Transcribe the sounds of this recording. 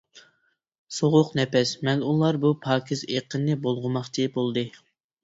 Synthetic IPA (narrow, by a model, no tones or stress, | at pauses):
soʁʊqnɛpɛsmɛnulˠɑɾbupʰɑːkʲʰizeqʰənːɨbolˠʁʊmɑχt͡ʃʰibolˠd̪ɨ